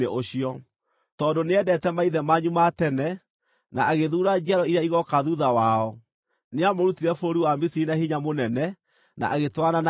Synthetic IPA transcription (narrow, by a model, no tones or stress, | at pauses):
eʔoɕiɔ | tɔːndoneɛdɛtɛmaiðɛmaɲumatɛnɛ | naaɣeðuːɾad͡ʒɛɾɔiɾeaiɣɔkaðuðawaɔ | neamoɾutiɾɛfoɾiwamisinahiɲamonɛnɛ | na̰ʔaɣetwanana